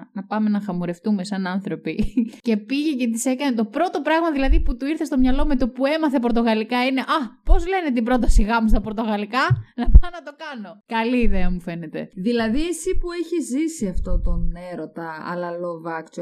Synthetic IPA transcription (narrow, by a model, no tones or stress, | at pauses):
nɐpɐme̞nɐxɐmuɾe̞ft̪ume̞sɐnɐnθɾo̞pice̞piʝece̞t̪ise̞kɐnet̪o̞pɾo̞t̪o̞pɾɐɣmɐðilɐðiput̪uiɾθe̞st̪o̞mɲɐlo̞me̞t̪o̞pue̞mɐθe̞p̬oɾt̪oɣɐlikɐine̞ʔɐpo̞zle̞ne̞t̪̬ibɾo̞t̪ɐsiɣɐmust̪ɐpo̞ɾt̪o̞ɣɐlikɐnɐpɐnɐt̪o̞kɐno̞kɐliːðeɐmufe̞ne̞t̪e̞̰ðilɐðiesipueçizːisiɐft̪o̞t̪oneɾot̪ɐɐ̰lɐlovɐkt͡ʃo